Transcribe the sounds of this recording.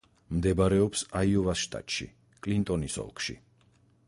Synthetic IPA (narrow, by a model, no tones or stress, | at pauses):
md̪ɛbaɾɛɔpsaiɔvasʃt̪ʼa̰t̪ʼʃḭ | kʼlint̪ʼɔnisɔ̰lˠkʼʃḭ